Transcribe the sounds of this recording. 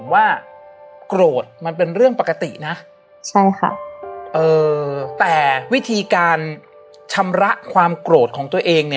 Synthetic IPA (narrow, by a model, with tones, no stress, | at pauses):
waː˥˩ | kɾoː˨˩t̪̚ma˧np̬e˧nɾɯ˥˩əŋpa˨˩kːa˧t̪ḭ˨˩na˦˥ʔ | t͡ɕʰa˥˩jxʰa̰˥˩ʔɤː˧t̪ɛː˨˩wi˦˥t̪ʰiː˧kaː˧n | t͡ɕʰa˧mɾa˦˥ʔkʰwaː˧mkɾoː˨˩t̪̚kʰɔː˩˦ŋt̪u˧ɐʔeː˧ŋni˥˩ə